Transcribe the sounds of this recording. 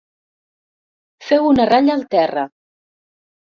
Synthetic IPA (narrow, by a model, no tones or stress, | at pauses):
fewunəraʎːlˠt̪ɛrə